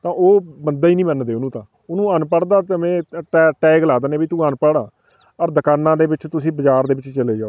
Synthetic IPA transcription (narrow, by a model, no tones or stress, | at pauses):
t̪ãːʔoːbənd̪aːiːnĩːmənd̪eːʊnũːt̪ãː | ʊnũːənpəɽd̪aːt̪əmɛ̃ːʈɛːʈɛːɡlaːd̪əːneːbiːt̪ũːənpəɽãː | əɾd̪əkaːnːãːd̪eːbɪt͡ʃt̪ʊsĩːbəd͡ʒaːɾd̪eːbɪt͡ʃt͡ʃəleːd͡ʒaːoː